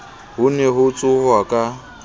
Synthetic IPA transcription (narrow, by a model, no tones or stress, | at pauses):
ɦʊnɛɦʊt͡sʼʊhwakʼa